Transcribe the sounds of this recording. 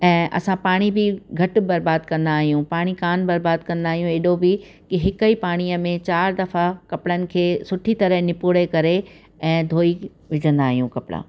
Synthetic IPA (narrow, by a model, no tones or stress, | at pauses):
ɛ̃ːʔɐ̰sãpaːɽ̃ibɪɡʱɐʈ̆bɐɾbaːd̪kɐ̃nd̪aːɦijũpaːɽ̃ikaːnbɐɾbaːd̪̚kɐ̃nd̪aːɦijũeɗobɪ | kɪɦɪkəipaːɽ̃iəmẽt͡ɕaːɾd̪ɐfakɐpɽənɪ̆kʰeːsʊʈʰit̪ɐɾəɦnɪpuːɽekɐɾe | ɛ̃ːd̪ʱoːi | ʋɪd͡ʑʱə̃nd̪aːɦijũkɐpɽa̰ː